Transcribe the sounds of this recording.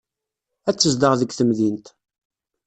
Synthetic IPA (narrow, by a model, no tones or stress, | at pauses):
æt͡sːəzd̪əʁðəɡʷθəmðint̪